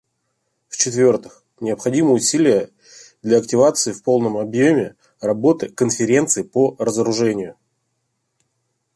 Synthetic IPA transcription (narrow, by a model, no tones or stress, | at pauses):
ft͡ɕɪt̪vʲo̞rt̪ɨx | nʲɪəpxɐdʲiməʊsʲilʲɪjə | d̪lʲɐɐktʲɪvat̪sɨɪfpo̞lˠnəmɐbjo̞mʲɪ | rɐbo̞t̪ɨkənfʲɪɾʲe̞nt̪sɨɪporəzəɾʊʐɛnʲɪjʊ